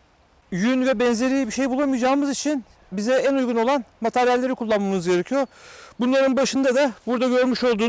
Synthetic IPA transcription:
jynvɛbɛnze̞ɾijbiʃe̞jbulˠamɯjd͡ʒaːɯmɯzit͡ʃʰin | bizɛænujɡuno̞lˠanmat̪ʰæɾjælʲːe̞ɾikʰulˠːanmːamɯzɟe̞ɾe̞cʰijoɾbunlˠaɾɯnbaʃɯnd̪ad̪abuɾd̪aɟø̞ɾmyʃo̞lˠd̪uː

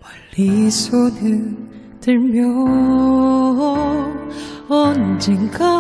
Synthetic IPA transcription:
paɭːisʰonɯn | tɯɭmjʌ | ʌnd͡ʑɯŋɡa

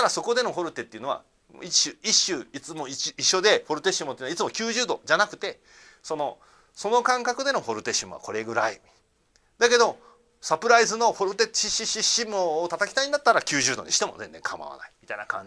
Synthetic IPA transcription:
aɾaso̞ko̞d̪e̞no̞ɦo̞ɾɯ̟t̪e̞t̪ːeiɯ̟no̞a̰ | iɕɨiɕːɨːit͡sɨmoiiɕːo̞d̪e̞ɸo̞ɾɯ̟t̪eɕimot̪eiːnait͡sɨmokʲɨːʑɨːd̪o̞̰d͡ʑanakɯ̟̥t̪e̞ | so̞no̞ | so̞no̞kãŋkakɯ̟d̪e̞no̞ho̞ɾɯ̟t̪e̞ɕimɯβa̰ko̞ɾe̞ɡɯ̟ɾai | d̪ake̞d̪o̞ | sapɯ̟ɾaizɨno̞hoɾɯ̟t̪eiɕiɕiɕimoːt̪at̪akʲi̥t̪aiɲd̪at̪ːaɾakʲɨːʑɨːd̪o̞̰ɲ̟ḭɕi̥t̪e̞mo̞̰zẽ̞nd͡zẽ̞ŋkʰama̰βa̰na̰i̥mʲit̪aina̰kã̰ɲ

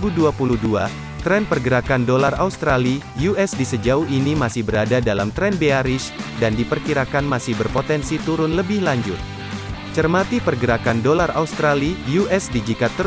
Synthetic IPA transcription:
uduapuluhdua̰ | t̪ɾɛnpərɡəɾakandolaraust̪ɾali | juɛsdisəd͡ʒauhinimasɪhbəɾadadalamt̪ɾɛnbeaɾɪsdandipərkiɾakanmasɪhbərpot̪ɛnsit̪uɾʊnləbɪhlaɲd͡ʒʊ̰t̪̚ | t͡ʃərmat̪ipərɡəɾakandolara̰ust̪ɾalijuʔɛsdid͡ʒikat̪ːə

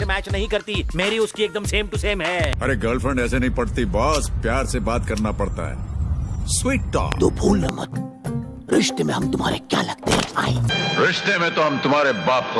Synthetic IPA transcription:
mɛːt͡ʃnɐɦĩkɐɾt̪imeːɾiʊskieːk̚d̪əmseːmʈuseːmɦɛːɐɾeɡɐɾlfʰɾɛ̃ɳɖɛːsenɐɦĩpɐɽt̪ibɔːspjaːɾsebaːt̪kɐɾnapɐɽt̪a̰ɦɛ̰ːswiːʈ̚ʈa̰ːt̪oːbʱuːlnəmɐ̰t̪ | ɾɪʃt̪emẽɦɐmt̪ʊmɦa̰ːɾekja̰ːlɐɡ̚t̪ḛɦɛ̰̃a̰ːḛɾɪʃt̪emẽt̪oɦɐmt̪ʊmaːɾebaːp̚k

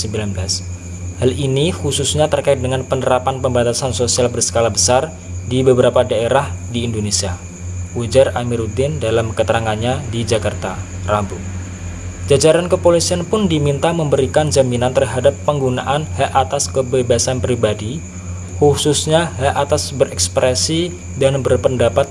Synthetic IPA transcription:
səmbilanblas | halinixususɲat̪ərkaɪt̪̚dəŋanpənəɾapanpəmbat̪asansosialbərsə̥kalabəsar | dibəbəɾapadaeɾahdiːndonesia | ud͡ʒaramiɾut̪ɪndalamkət̪əɾaŋanɲadid͡ʒakart̪a̰ | rambu | d͡ʒad͡ʒaɾankəpolisianpʊndimint̪aməmbəɾikand͡ʒaminant̪ərɦadapːəŋɡuna̰ʔanhaʔat̪askəbebasanpɾibadi | hususɲaɦaʔat̪asbəɾɛkspɾʔesi | danbərpəndapat̪̚

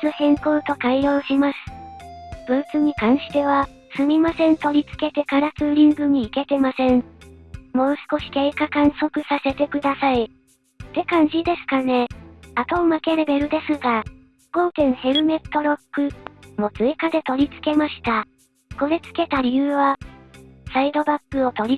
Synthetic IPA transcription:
t͡sɨhẽ̞ŋko̞ːt̪o̞kaijo̞ːɕimasɨ̥ | b̥ɯ̟t͡sɨɲ̟ikãɰ̃ɕi̥t̪e̞βa | sɨmʲimasẽ̞nt̪o̞ɾʲit͡sɨ̥ke̞t̪e̞kaɾat͡sɨɾʲĩŋɡɯ̟ɲ̟iːke̞t̪e̞masẽ̞ɴ | mo̞ːsɨ̥ko̞ɕi̥ke̞ːkakãɰ̃so̞kɯ̟sase̞t̪e̞kɯ̟d̪asai | t̪e̞kãnʑid̪e̞sɨ̥kane̞at̪o̞ːmake̞ɾe̞be̞ɾɯ̟d̪e̞sɨɡa | ɡ̥o̞ːk̪ẽ̞ɰ̃he̞ɾɯ̟me̞t̪ːo̞ɾo̞kːɯ̟mo̞t͡sɨekad̪e̞t̪o̞ɾʲit͡sɨ̥ke̞maɕi̥t̪a | ko̞ɾe̞t͡sɨ̥ke̞t̪aɾʲiɯ̟ːβa | said̪o̞bakːɯ̟o̞t̪o̞ɾʲi

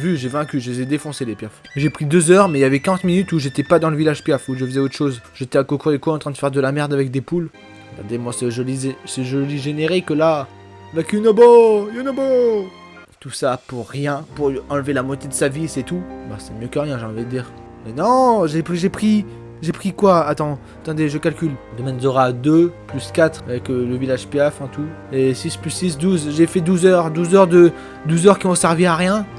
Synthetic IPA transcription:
vyʒevɛ̃kʲyʒəzɛd̪efɔ̃selepjɛf | ʒepχid̪øzœʁmɛjavɛkaʁɑ̃t̪minyt̪uʒet̪ɛpad̪ɑ̃ləvilaʒpjafuʒəfəzɛot̪χəʃozʒet̪ɛakokuʁd̪ekoɑ̃t̪χɛ̃d̪əfɛʁd̪əlamɛʁd̪avɛk̚d̪epul | əɡa̰ʁd̪emwasəʒolizsəʒɔliʒeneʁikla | lakynobojynobo | t̪usapuʁːjɛ̃puʁɑ̃lvelamɔt̪ed̪əsavisɛt̪uba̰sɛmjøkəʁjɛ̃ʒeɑ̃vid̪əd̪iːʁ | mɛnɔ̃ʒepχiʒepχi | ʒepχikwaat̪ɑ̃ | at̪ɑ̃d̪eʒəkalkʲyld̪əmɛ̃nzəʁad̪øplyskat̪χavɛkələvilaʒpeɛfɛ̃t̪u | esisplysːis̬d̪uzʒefɛd̪uzœʁd̪uzœʁd̪ə | d̪uzœʁkʲiɔ̃sɛʁviaʁjɛ̃

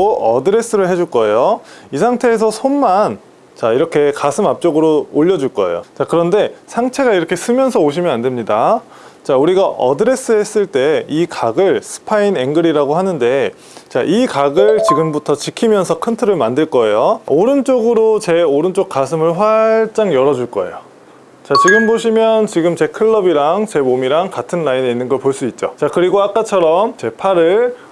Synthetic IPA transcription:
oʌdɯɾe̞s͈ɯɾɯɭɦe̞d͡ʑuɭk͈ʌe̞joisʰaŋtʰe̞ːsʰʌsʰomːan | t͡ɕaiɾʌkʰe̞kasʰɯmap̚t͡ɕ͈oɡɯɾooʎːʌd͡ʑuɭk͈ʌḛjo̰t͡ɕakɯɾʌnde̞sʰaŋt͡ɕʰe̞ɡaiɾʌkʰe̞sʰɯmjʌnsʰʌoɕ̬ʰimjʌnande̞mɲida | t͡ɕauɾiɡaʔʌdɯɾe̞s͈ɯes͈ɯɭt͈e̞ikaɡɯɭsʰɯ̥pʰaine̞ŋɡɯɾiɾaɡoɦanɯnde̞ | t͡ɕaʔikaɡɯɭt͡ɕiɡɯmbutʰʌt͡ɕikʰimjʌnsʰʌkʰɯntʰɯɾɯɭmandɯɭk͈ʌe̞jooɾɯnt͡ɕ͈oɡɯɾot͡ɕe̞oɾɯnt͡ɕ͈ok̚k͈asʰɯmɯɭɸwat͡ɕ͈aŋjʌɾʌd͡ʑuɭk͈ʌe̞̰jo | t͡ɕat͡ɕiɡɯmboɕʰimjʌnt͡ɕiɡɯmt͡ɕe̞kʰɯɭːʌbiɾaŋt͡ɕe̞momiɾaŋkatʰɯnlaine̞inːɯnɡʌɭpoɭs͈uit̚t͡ɕ͈ot͡ɕakɯɾiɡoak͈at͡ɕʰʌɾʌmt͡ɕe̞pʰaɾɯɭ

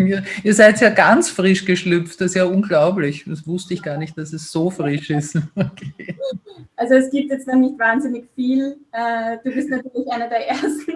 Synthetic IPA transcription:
iːɐʔiːɐzaɪtjaːɡant͡sfʁɪʃɡ̥əʃlʏpftd̥ɐsjaːʔʊnɡlaʊblɪçdɛsvʊstəɪçɡ̥aːɐnɪçt̚d̥asɛsz̥oːfʁɪʃɪstokʰeːʔalzoɛsɡ̥iːp̚tjɛt͡stnɔxnɪçtvaːnzɪnɪçfiːlʔɛd̥uːbɪstnatyːɐlɪçʔaɪnɐdeːɐʔeɐstn̩

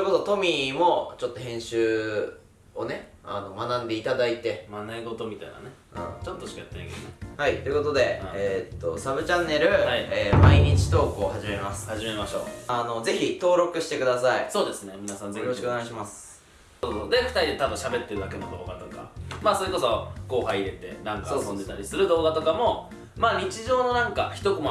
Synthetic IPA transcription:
soi̟ko̞sot̪o̞mʲimo̞t͡ɕo̞t̪ːohẽ̞ɰ̃ɕɨː | one̞ano̞manãnd̪eit̪ad̪ait̪e̞manaiɡot̪omʲit̪a̰ina̰nḛ̃ | t͡ɕot̪ːoɕi̥kajat̪ːea̰ɡḛehait̪o̞jɯ̟ko̞t̪od̪e̞et̪ːo̞̰sabɯ̟t͡ɕãnːe̞ɾɯ̟aieːmaiɲ̟it͡ɕi̥t̪o̞ːkoːhaʑime̞masɨ̥haimemaɕo̞̰ːano̞ze̞çit̪o̞ːɾo̞kɯ̟ɕi̥t̪e̞kɯ̟d̪asaiso̞ːd̪e̞sɨne̞mʲinasãnejoɾoɕikoneɡaiɕ̬imasɨ̥ | soːdsod̪e̞ɸɯ̟̥t̪aɾʲid̪et̪ad̪oɕabe̞t̪ːe̞ɾɯd̪ak̬e̞no̞d̪o̞̰ːɡa̰t̪o̞ka̰maːsoɾeko̞so̞ko̞ːɦaiɾe̞t̪e̞nãŋkasõnd̪e̞t̪aɾʲisɨɾɯ̟d̪o̞ːɡat̪o̞kamo̞ | maːɲ̟it͡ɕiʑo̞ːno̞nãŋkaçi̥t̪o̞kom

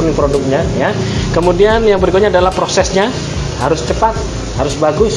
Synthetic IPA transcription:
nɪŋpɾodʊk̚ɲajakəmudianjaŋbəɾikot̪̚ɲadalahpɾosɛsɲa | haɾʊst͡ʃəpat̪̚ | haɾʊsbaɡʊs

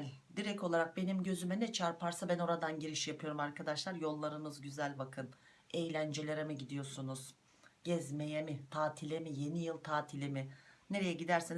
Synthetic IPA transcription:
lʲ | d̪iɾɛcʰo̞lˠaɾak̚be̞nimɟø̞zymɛnɛt͡ʃʰaɾpaɾsabæno̞ɾad̪anɟiɾiʃjapʰɯjo̞ɾumaɾkʰad̪aʃlˠaɾjo̞lˠːaɾɯmɯzɟyzælʲbakʰɯn | e̞jlʲænd͡ʒe̞lʲe̞ɾɛmiɟid̪ijo̞sunuz̥ | ɟ̥ɛzme̞jemit̪ʰaːt̪ʰilʲemije̞nijɯlˠt̪ʰaːt̪ʰilʲemɪne̞ɾejɛɟid̪æɾsin

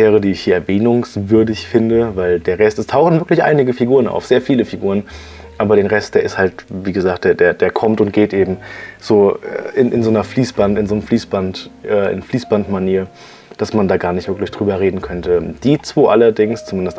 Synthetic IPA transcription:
ɛːʁədiːɪçhiːɐɛɐvɛːnʊŋsvʏɐdɪçfɪndəvaɪldeːɐʁɛstɛstʰaʊxn̩v̥ɪɐklɪçʔa̰ɪnɪɡəfiɡuːʁəna̰ʊfz̥eːɐfiːləfiɡuːʁ̞ən | ʔaːbɐɾeːnʁɛst̚d̥eːɐɪsthaltviːɡəzaːk̚td̥eːɐdeːɐdeːɐkʰɔmtʊnt̚ɡ̥eːtʔeːbm̩z̥oːɛ̰ʔɪnʔɪnzoːnɐfliːsb̥antɪnzoːnəfliːsb̥antʔɛːʔɪ̰nfliːsb̥antmaniːɐ | d̥asmandaːɡaːɐnɪçtvɪɐklɪçd̥ʁyːbɐʁeːdn̩kʰœntəd̥iːt͡sv̥oːʔalɐdɪŋst͡sumɪndəst

